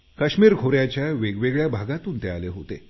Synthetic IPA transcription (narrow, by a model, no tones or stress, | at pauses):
kəɕmiːɾɡʱoɾjat͡ɕjaʋeɡʋeɡɭjabʱaɡat̪uːnt̪ealeɦot̪e